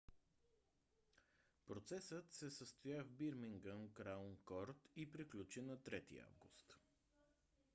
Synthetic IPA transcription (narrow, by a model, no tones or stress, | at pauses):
pɾot̪sɛsət̪sɛsəst̪ojavbiɾmiŋɡəmkɾaunkɔɾt̪ipɾiklʲut͡ʃinɐt̪ɾɛt̪ḭa̰vɡust̪